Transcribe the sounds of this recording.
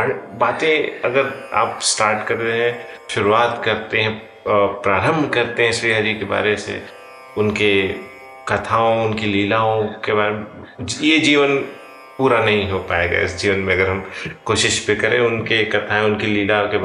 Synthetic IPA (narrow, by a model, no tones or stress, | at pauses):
ɐɾbaːt̪ẽɐɡəɾa̰ːpsʈaːɾʈkɐɾt̪eɦɛ̃ʃʊɾuaːt̪kɐɾt̪eɦɛ̃ | pɾaːɾə̃mbʱkɐɾt̪eɦɛ̃ʃɾiːɦad͡ʒikeba̰ːɾesḛ | ʊnke | kɐt̪ʰaːõʊnkiliːlaːõkebaːɾe | jed͡ʒiːʋən | puːɾanɐɦĩɦopaːeːɡa̰ːɪ̰sd͡ʒiːʋənmẽɐɡəɾɦɐmkoːʃɪʃbɪkɐɾẽʊnkekɐt̪ʰaẽʊnkiliːlaõke